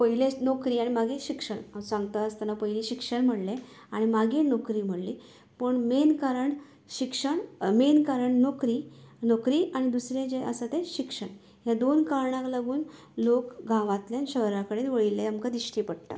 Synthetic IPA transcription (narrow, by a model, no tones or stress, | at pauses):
pəɦilenokɾiːaɽimaɡʱeɕikʂəɳsãŋɡt̪aəst̪anapəɦiliːɕikʂəɳm̤əɽle | aɽ̃imaɡʱenokɾiːm̤əɽli | pəɳmenkaɾəɳ | ɕikʂəɳmenkaɾəɳnokɾiːnokɾiːʔaɽ̃id̪usɾẽd͡ʑeʔə̰sat̪ẽɕikʂəɳ | ɦjad̪onkaɾɳãklaɡuːn | lokɡʱãʋãt̪ljanɕəɦɾakəɽ̃et̪ʋəɭilːeamkad̪iɕʈiːpəɽt̪a̰